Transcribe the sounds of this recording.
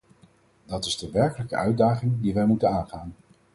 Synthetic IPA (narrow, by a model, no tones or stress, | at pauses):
dɑtɪzdəʋɛɹkələkəœɥdaːχɪŋdiʋɛjmutənaːnχaːn